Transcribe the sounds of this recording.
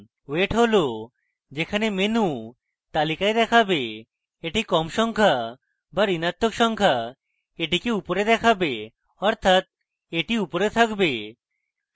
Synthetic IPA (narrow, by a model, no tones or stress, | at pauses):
weʈɦolo | d͡ʑekʰanemenu | t̪alikaed̪ɛkʰabe | eʈikɔmʃɔŋkʰa | baɾinat̪ːokʃɔŋkʰa | eʈikeupoɾed̪ɛkʰabe | ɔɾt̪ʰat̪̚ | eʈiupoɾet̪ʰakbe